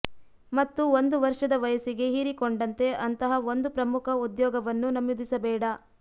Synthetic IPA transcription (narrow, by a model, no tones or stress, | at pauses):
mɐt̪ːuond̪uʋɐɾʂɐd̪ɐʋɐjɐsiɡe̞ɦiɾikoɳɖɐnt̪e̞ʔɐnt̪ɐɦɐond̪upɾɐmukʰɐud̪jɔːɡɐʋɐnːunɐmjud̪isɐbɛːɽɐ